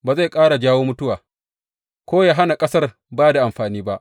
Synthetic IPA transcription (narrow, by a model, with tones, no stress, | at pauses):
baː˨za˦˨jkʼaː˦ɽa˨d͡ʒaː˦woː˦mʊ˦tʊ˦waː˨ | kʷoː˦jaː˦ɦa˦na˨kʼɐ˦sɐ˦r | baː˦da˨ʔa˨mɸaː˨niː˦ba˦ʔ